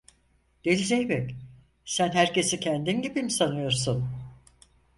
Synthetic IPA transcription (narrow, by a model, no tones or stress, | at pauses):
d̪̥elʲizejbɛc | sænhæɾce̞sicʰænd̪inɟibimsanɯjo̞ɾsun